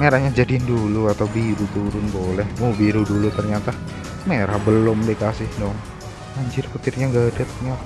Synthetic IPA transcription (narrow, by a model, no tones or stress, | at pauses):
meɾahɲad͡ʒadinduluat̪awbiɾut̪uɾʊnbolɛhmobiɾudulut̪ərɲat̪a | meɾabəlʊmdekasɪhdɔŋ | aɲd͡ʒɪrput̪ɪrɲaŋɡaːdat̪̚ɲa